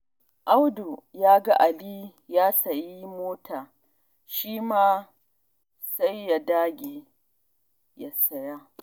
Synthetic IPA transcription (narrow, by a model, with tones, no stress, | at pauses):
ʔa˦wdu˨jaː˦ɡa˦ʔa˨li˦jaː˦sɐ˨ji˦moː˦tʰaː˨ | ʃiː˦maː˦ | sa˦jːa˨daː˦ɡʲeː˨ | ja˦sɐ˦ja˦